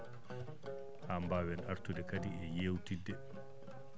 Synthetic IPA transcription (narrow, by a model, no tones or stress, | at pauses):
hambaːwɛnaɾtudɛkadiɛjeːwtidːɛ